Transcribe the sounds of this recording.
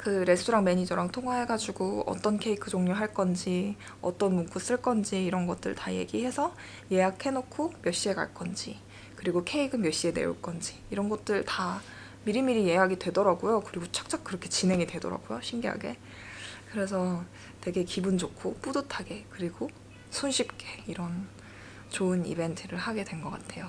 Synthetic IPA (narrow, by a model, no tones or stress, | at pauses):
kɯɾe̞stʰuɾaŋme̞ɲid͡ʑʌɾaŋtʰoŋɦwaɦe̞ɡad͡ʑuɡoʌ̰t͈ʌnkʰe̞ikʰɯd͡ʑoŋɲoɦaɭk͈ʌnd͡ʑi | ʌ̰t͈ʌnmuŋk͈us͈ɯɭk͈ʌnd͡ʑiːɾʌnɡʌt̚t͈ɯ̰ɭtaje̞̰ɡiɦe̞sʰʌ | je̞akʰe̞nokʰomjʌɕ͈ie̞ka̰ɭk͈ʌnd͡ʑi | kɯɾiɡokʰe̞iɡɯmjʌɕ͈ie̞ne̞̰ṵɭk͈ʌnd͡ʑiːɾʌnɡʌt̚t͈ɯɭta | miɾɯmiɾijeɦaɡidwe̞dʌɾaɡujokɯɾiɡot͡ɕʰḁk̚t͡ɕ͈ak̚k͈ɯɾʌkʰe̞t͡ɕine̞ŋidwe̞dʌɾa̰ɡ̥ujoɕʰimɡiɦa̰ɡe̞ | kɯɾe̞s̬ʰʌ | twe̞ɡe̞kibund͡ʑokʰop͈udotʰaɡe̞kɯɾiɡo | sʰunɕʰip̚k͈e̞̥iɾʌn | t͡ɕoɯnḭbe̞ntʰɯɾɯɭhaɡe̞dwe̞nɡʌk͈atʰe̞jo